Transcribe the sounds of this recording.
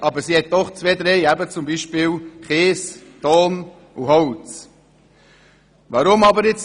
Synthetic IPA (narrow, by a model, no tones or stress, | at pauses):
ʔɑbəɾsihɛt̪̚d̥ɔχt͡sveːd̪ɾɛɪæbət͡sʊmbiːʃpɪːlχeːst̪ɔːn | uɦɔwt͡s | vɑɾʊmɑbəɾɪt͡s